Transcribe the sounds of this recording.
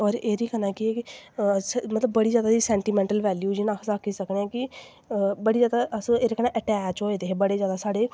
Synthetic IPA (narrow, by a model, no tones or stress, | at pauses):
ɔːɾeːɾiːkənaːkɪɛːkɪsmət̪ləbːəɽiːzjaːd̪aːd̪iːsɛːɳʈiːmɛ̃ːɳʈəlʋɛːljuːd͡ʒɪnãːkʰsaːkʰːiːsəkneɛ̃ːkɪ | bəɽiːzjaːd̪aʔəseːɾeːkənãːʔɛʈɛːt͡ʃoːeːd̪eːbəɽeːzjaːd̪aːsaːɽeː